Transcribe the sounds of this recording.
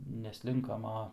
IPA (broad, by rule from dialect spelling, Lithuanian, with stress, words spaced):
nʲɛˈsʲlʲɪŋkɐm ˈɐ